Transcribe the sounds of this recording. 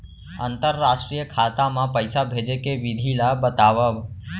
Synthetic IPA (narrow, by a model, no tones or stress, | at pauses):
ənt̪əɾːaːsʈɾijəkʰat̪amãpəɪsabʱed͡ʒekeʋɪd̪ʱilabət̪aːʋəb